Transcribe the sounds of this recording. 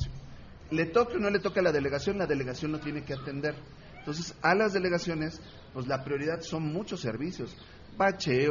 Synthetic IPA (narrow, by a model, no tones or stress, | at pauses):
le̞t̪o̞keono̞le̞t̪o̞kealaðe̞le̞ɣasjo̞nlaðe̞le̞ɣasjo̞nːo̞t̪je̞nekeat̪e̞nd̪e̞ɾ | ent̪o̞ns̬e̞salazðe̞le̞ɣasjo̞ne̞s | pwezlapɾjo̞ɾiðaðso̞nmut͡ʃo̞sːe̞̰ɾβisjo̞s | bat͡ʃe